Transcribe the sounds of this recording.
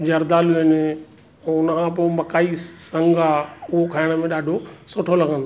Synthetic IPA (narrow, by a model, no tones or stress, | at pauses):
d͡ʑɐɾd̪aːluɪnẽ | ʊnəkʰãpomɐkaːisɐ̃ŋɡaʊɦokʰaːɪɽ̃̆mẽɗaːɖʱosʊʈʰolɐɡʱə̃nd̪o